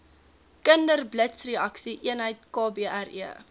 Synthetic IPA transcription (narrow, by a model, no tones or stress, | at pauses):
kəndərblətsriɐksiʔiənɦəjtkɑːbeːʔærḭə